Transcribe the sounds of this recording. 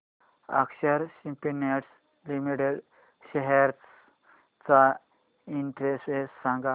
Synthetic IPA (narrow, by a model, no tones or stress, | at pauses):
ə̰kɕəɾsimpineʈs | limiʈeɽ | ɕɛɦɛɾ | t͡sa | iɳʈɾesessãŋɡa